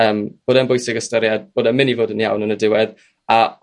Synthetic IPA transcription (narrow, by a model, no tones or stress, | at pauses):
əːmb̥oːdɛnbʊjsɪɡəstəɾjad̚b̥oːdɛmɪnivoːdənija̰wnənədɪwɛð | a